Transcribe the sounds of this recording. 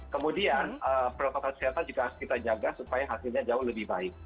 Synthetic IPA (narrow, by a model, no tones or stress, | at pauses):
kəmudianəːpəɾokat̪ankəsiat̪and͡ʒuɡaɦaskit̪ad͡ʒaɡasupajaɦasɪlɲad͡ʒaʊhləbɪhbaɪk̚